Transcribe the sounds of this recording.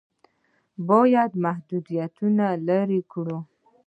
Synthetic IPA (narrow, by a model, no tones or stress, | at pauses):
bojad̪mahd̪ud̪ijat̪unalaɾikɽu